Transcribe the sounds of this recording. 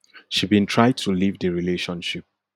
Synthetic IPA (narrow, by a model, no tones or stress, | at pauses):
ʃibĩntʰɹaɪd̚tʰulivdəɹileʃɔ̃nʃip̚